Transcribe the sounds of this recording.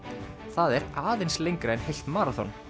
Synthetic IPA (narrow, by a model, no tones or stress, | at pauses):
θaðɛɾaːðɪnslejŋkɾeːjnhejl̥t̪maːɾaθɔ̰n